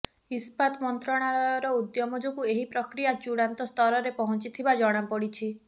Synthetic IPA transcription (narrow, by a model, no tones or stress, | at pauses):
ispat̪ɔmɔnt̪ɾɔɽ̃aɭɔjɔɾɔud̪jɔmɔd͡ʒɔkueɦipɾɔkɾijat͡ʃuɽant̪ɔst̪ʰɔɾɔɾepɔɦɔnt͡ʃit̪ʰibad͡ʒɔɽ̃apɔɽit͡ʃʰi